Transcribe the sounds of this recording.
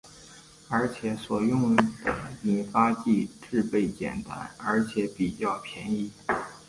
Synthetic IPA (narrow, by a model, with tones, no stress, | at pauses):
ə˞˧˥t͡ɕʰjɛ˧˥swɔ˨˩jʊ˥˩ŋd̪ə˩i˨˩fa˥t͡ɕi˥˧ʈ͡ʂɻ̩˥˧pe˥˩ɪt͡ɕjɛ̰˨˩nt̪a̰˧˥nə˞˧˥t͡ɕʰjɛ˧˥pi˨˩t͡ɕjɑ˥˩ʊpʰjɛ˧˥ni˥˩